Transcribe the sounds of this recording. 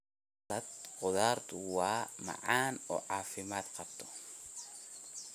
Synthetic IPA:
lɐd̪qʊðaːrt̪ʰʊwɑːmɑ̰ʕɑːnɔ̰ːʕɑːfɪmaːd̪qɑbt̪ʰɔ̥

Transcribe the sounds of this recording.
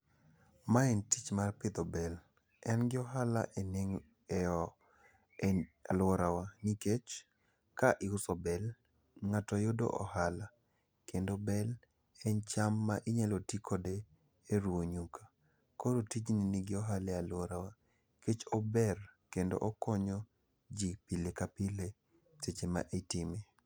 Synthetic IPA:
maɛntit͡ʃmarpɪt̪ɔbɛl | ɛnɡɪɔɦala̰ʔeneŋ | ɛ | alwɔɾawaniket͡ʃ | kaʔɪʊsɔbɛl | ŋatɔjodo̰ʔɔ̰hala | kʰendobɛl | ɛnt͡ʃamːaʔɪɲalotikʰɔdeː | ɾuoɲukʰa | koɾotid͡ʒniniɡɪɔɦalɛalwɔɾawa | ket͡ʃɔbɛrkendo̰ʔɔkɔɲɔ | d͡ʒipilekapile | set͡ʃema̰ʔetɪme

